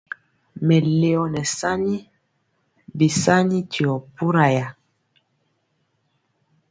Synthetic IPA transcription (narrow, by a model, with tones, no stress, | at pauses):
mɛ˨le˨ɔ˨nɛ˨sa˦ni˦ | bi˨sa˦ni˦tʰi˨ɔ˨pu˦ɾa˨ja˨